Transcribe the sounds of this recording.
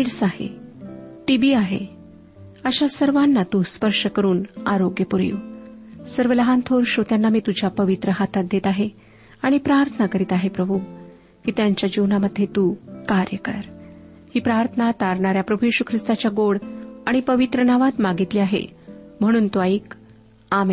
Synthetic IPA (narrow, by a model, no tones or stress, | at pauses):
iɽsaɦḛ | ʈibiːaɦḛ | əɕasəɾʋanːat̪uspəɾʂəkəɾuːnaɾoɡjəpuɾjṵːsəɾʋələɦant̪ʰoɾɕot̪janːamiːt̪ud͡ʑʱjapəʋit̪ɾəɦat̪ʰat̪̚d̪et̪aɦe | aɽ̃ipɾaɾt̪ʰənakəɾiːt̪aɦepɾəbʱu | kiːt̪jaɲt͡ɕjad͡ʑiʋnaməd̪ʱjet̪ukaɾjəkə̰ɾ | hiːpɾaɾt̪ʰənat̪aɾɳaɾjapɾəbʱujiɕukʰɾist̪at͡ɕjaɡoɽaɽ̃ipəʋit̪ɾənaʋat̪maɡit̪liːaɦḛm̤əɽ̃uːnt̪uaiːk | amen